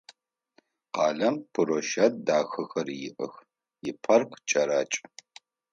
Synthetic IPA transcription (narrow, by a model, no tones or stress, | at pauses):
qɑːɮɐmpʰɨɾoʃɐt̚daːxɨxɐrjɪ̰ʔə̰x | jɪpʰɐrkʷʰt͡ʃʼɐɾaːt͡ʃʼ